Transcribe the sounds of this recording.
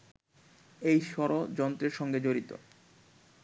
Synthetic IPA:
ejʃɔɾod͡ʑɔnt̪ɾeɾʃɔŋɡed͡ʑoɾit̪o̰

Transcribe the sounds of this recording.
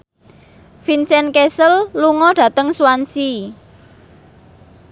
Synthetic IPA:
finsɛnkesəlluŋɔɖ̥ä̤t̪əŋsuansi

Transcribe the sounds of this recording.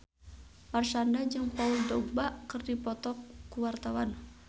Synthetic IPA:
marsandad͡ʒɨŋpauldɔɡbaʔkɨrdipɔt̪ɔkːuwart̪awan

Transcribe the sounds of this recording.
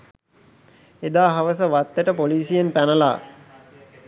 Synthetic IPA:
ed̪aːɦaʋəs̬əʋat̪ːəʈəpoliːsijenpænəla̰ː

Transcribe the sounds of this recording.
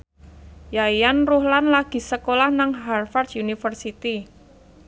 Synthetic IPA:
jaijanruhlanlaɡ̥i̤səkolahnaŋɦarfard̪unifərsit̪i

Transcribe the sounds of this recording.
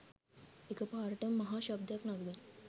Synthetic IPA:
ekəpaɾʈəmːəɦaɕəb̚d̪ʱjaknaɡʋin

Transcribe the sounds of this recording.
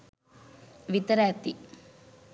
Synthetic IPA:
ʋit̪ɐɾaːt̪i

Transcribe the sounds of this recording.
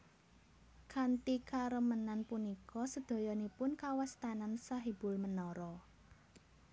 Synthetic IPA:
kant̪ikaɾəmənanpunikɔsəd̪̥o̤jɔnipʊnkawast̪anansaɦib̥ʊ̤lmənɔɾɔ

